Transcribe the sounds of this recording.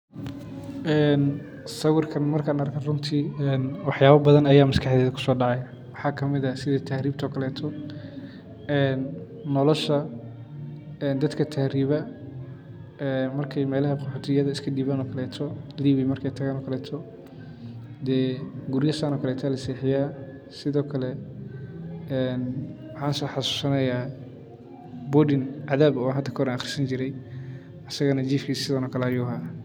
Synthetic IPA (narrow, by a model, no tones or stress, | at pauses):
ʔɛːn | sɐwʊrkʰɐnmɐrkʰaːnɐrkʰɐrʊnt̪ʰiɛːnwɑħjaːβɐbɐðɐnɐjaːmɐskʰɑħðɛːðɐkʰʊ̥sɔːɖɑʕj | wɑħɑːkʰɐmɪðɐsɪðɐt̪ʰahɾiːb̚t̪ʰɔːkʰɐlɛːt̪ʰɔ | ɛːnː | ɔlɔʃɐ | ɛnd̪ɐd̪kʰɐt̪ʰahɾiːβɐ | ɛːnmɐrkʰɛjmɛːlɐɦɐqɔħuːt̪ʰɪjɐðɐɪskʰɐɖiːβaːnɔːkʰɐlɛːt̪ʰɔliːβɪmɐrkʰɛjt̪ʰɐɣaːnɔːkʰɐlɛːt̪ʰɔ | d̪ɛːɡʊɾjɐsaːnɔːkʰɐlɛːt̪ʰaːlɐsiːħɪjaː | sɪðɔːkʰɐlɛ | ɛːn | wɑħɑːnsɔːħɑsu̥ːsɐnɐjaː | bɔːɖɪnʕaðaːbɔːnɦɐd̪ʰɐkʰɔɾɐnɐχr̥sɐnt͡ʃɪɾɛj | ɐsɐɣɐnɐt͡ʃiːfkʰiːsɪðɐnɔːkʰɐlɛɐjuːɦaː